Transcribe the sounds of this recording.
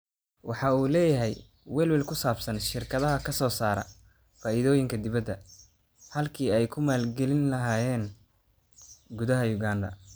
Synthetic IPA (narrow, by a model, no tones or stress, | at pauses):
wɑħɑuːlɛːjɐɦɛj | wɛːlwɛlkʰʊsaːbsɐnʃɪrkʰɐðɐɦɐkʰɐsɔːsaːɾɐ̰ | faːʔiðɔːjɪŋkʰɐd̪ɪβɐd̪ːɐ | hɐlkʰiːɛjkʰʊmaːlɡɛlɪnlɐɦaːjɛːn | ɡʊðɐɦɐjʊɡaːnd̪ɐ̰